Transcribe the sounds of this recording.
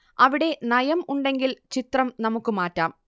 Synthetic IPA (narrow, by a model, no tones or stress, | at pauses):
ɐʋiɽe̞nɐjɐmuɳɖe̞ŋɡilt͡ɕit̪rɐmnɐmukːɨmaːtːaːm